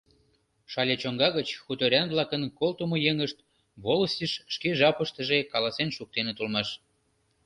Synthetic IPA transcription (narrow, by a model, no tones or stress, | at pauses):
ʃɑlʲet͡ɕoŋɡɑɣət͡ɕxut̪oɾʲɑnβlɑkənkolt̪umojeŋəʃt̪ | βoləsʲiʃːkeʒɑpəʃt̪ə̆ʒekɑlɑsenʃuk̚t̪enet̪ulmɑʃ